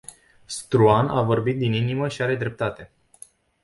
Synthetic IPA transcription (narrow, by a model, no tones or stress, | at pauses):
st̪ɾuanʔavo̞rbit̪̚d̪ininiməʃiaɾe̞d̪ɾe̞p̚t̪at̪e̞